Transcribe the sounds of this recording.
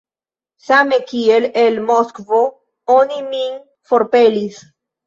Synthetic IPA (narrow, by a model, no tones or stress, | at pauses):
samekielelmoskvo | onimiŋ | foɾpelis